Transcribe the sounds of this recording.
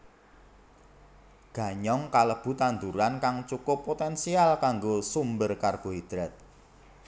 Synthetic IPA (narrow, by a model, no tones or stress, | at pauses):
ɡ̥ä̤ɲɔŋkaləb̥ṳt̪and̪uɾankaŋt͡ʃukʊpːot̪ɛnsialkaŋɡosumbərkarɡ̥o̤id̪̥ɾɛt̪̚